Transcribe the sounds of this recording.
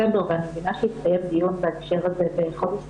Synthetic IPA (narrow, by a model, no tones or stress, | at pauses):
ad̪ovanmevinaʃeit̪t̪ajemd̪ijunbeekʃeʁazeveχol